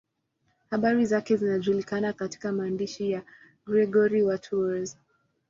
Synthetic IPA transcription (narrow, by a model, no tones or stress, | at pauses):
haɓaɾizakɛzinaʄulikanakati̥kamaːndiʃija | ɡɾɛɡɔɾiwatʰuaz